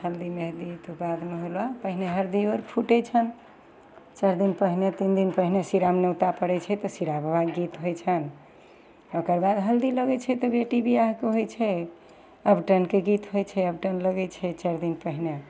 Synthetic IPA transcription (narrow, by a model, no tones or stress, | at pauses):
həld̪imeɦd̪it̪obad̪meɦolapəɦineɦəɾd̪ioɾpʰuʈɛt͡ʃʰən | t͡ʃaɾd̪inpəɦinet̪ind̪inpəɦinesiɾamnewut̪apəɽɛt͡ʃʰɛt̪ɔsiɾabʱbaɡːit̪ɦojt͡ʃʰən | okəɾbad̪ɦəld̪iləɡɛt͡ʃʰɛt̪ɔbeʈibijaɦkeɦojt͡ʃʰɛ | əbʈənkeɡit̪ɦojt͡ʃʰɛəbʈənləɡɛt͡ʃʰɛt͡ʃaɾd̪inpəɦine